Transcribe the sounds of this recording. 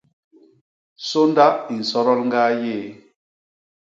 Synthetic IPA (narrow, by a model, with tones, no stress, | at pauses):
so˦nda˦i˨n̩˨sɔ˦ɾɔ˦lŋɡaː˦je˦˨